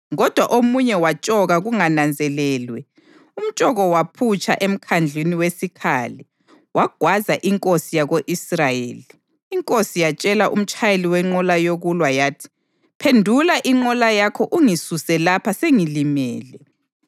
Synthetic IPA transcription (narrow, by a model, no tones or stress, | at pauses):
ɣɔd̥ʱwaʔomuɲɛwat͡ʃʼɔɣaɣuŋanand͡zʱɛlɛːlwɛ | um̩t͡ʃʼɔɣɔwapʰut͡ʃʰʼa̰ʔem̩kʰand͡ɮʱiniwesikʰaːlɛ | waɡ̥ʱwazaʔiŋkʼosijaɣoʔisrajḛːliː | ŋkʼosijat͡ʃʼɛlaʔṵm̩t͡ʃʰʼajeliwɛŋ͡ǃɔlajoɣulwajaːtʰi̥ | pʰendʱulaʔiŋ͡ǃɔlajakʰɔʔuŋisusɛlapʰaseŋilimɛːlɛ